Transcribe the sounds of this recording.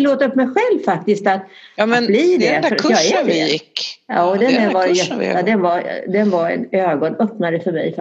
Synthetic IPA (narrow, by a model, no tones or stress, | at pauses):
loːt̪aɾɵpːmɛjɧɛlvfak̚t̪ɪst̪at̪ːblid̪ɛɾjɑɪɪkːjɑːd̪ɛnd̪ɛvaɾjɛ̰d̪ɛnvaɾd̪ɛnvaɾɛ̰nøːɡɔnœpnad̪əfœɾmɛ̰jf